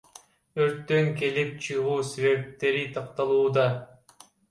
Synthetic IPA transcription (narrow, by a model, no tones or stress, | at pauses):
øɾt̪ːø̞ŋke̞lip̚t͡ʃʰɯʁuːseβe̞p̚t̪e̞ɾit̪ʰɑq̚t̪ɑlˠuːd̪ɑ